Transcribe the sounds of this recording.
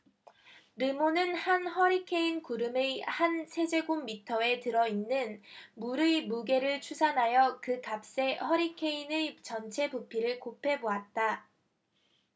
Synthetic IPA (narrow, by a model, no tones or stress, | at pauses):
ɾɯmonɯnhanhʌɾikʰe̞inkuɾɯme̞hansʰe̞d͡ʑe̞ɡumːitʰʌe̞tɯɾʌinːɯnmuɾɯmuɡe̞ɾɯɭt͡ɕʰusʰanɦajʌkɯkap̚s͈e̞hʌɾikʰe̞inet͡ɕʌnt͡ɕʰe̞bupʰiɾɯɭkopʰe̞boat̚t͈a